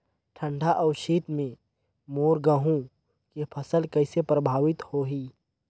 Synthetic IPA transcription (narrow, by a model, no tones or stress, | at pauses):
ʈʰə̃ɳɖʱaʔɔːɾʃiːt̪mẽ | moːɾɡəɦũ | kepʰəsəlkɐɪsepɾəbʱaːʋɪt̪hoɦiː